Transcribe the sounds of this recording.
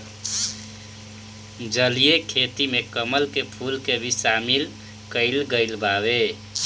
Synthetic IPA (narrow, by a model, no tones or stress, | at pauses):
d͡ʒəlijekʰet̪imekəməlkepʰulkebʱisamil | kəɪlɡəɪlbabe